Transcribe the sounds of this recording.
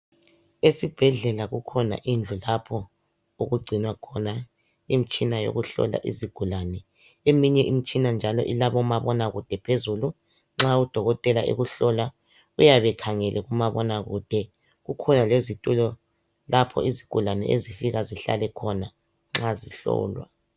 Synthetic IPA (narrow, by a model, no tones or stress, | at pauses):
esib̥ʱɛɮɛlaɣukʰɔna̰ʔind͡ɮʱulapʰɔ | uɣuɡ͡ǀʱinwakʰɔna | im̩t͡ʃʼinajo̰ɣuɬɔ̰la̰ʔḭziɡ̥ʱulanɛ | emiɲɛʔim̩t͡ʃʼinand͡ʒʱalɔ̰ʔilaβɔmaβɔnaɣud̥ʱɛpʰezulu | ŋ͡ǁaud̥ʱɔɣɔtʼɛlaʔḛɣuɬɔla | ujaβɛkʰaŋɛlʔɛɣumaβɔnaɣud̥ʱɛ | ɣukʰɔnalezitʼulɔ | lapʰɔ̰ʔiziɡ̥ʱulanɛ̰ʔḛzifiɣaziɬa̰lɛkʰɔna | ŋ͡ǁaziɬɔ̰ːlwa̰